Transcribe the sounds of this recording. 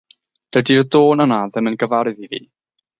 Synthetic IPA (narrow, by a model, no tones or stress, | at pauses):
d̥ədirdoːnənaðəmənɡəvaɾɨðivḭː